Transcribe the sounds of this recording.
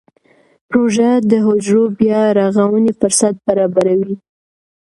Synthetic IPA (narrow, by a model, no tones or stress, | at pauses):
pɾoʒad̪əɦʊd͡ʒɾobjɑɾaɣawənefʊɾsat̪̚baɾɑbaɾawi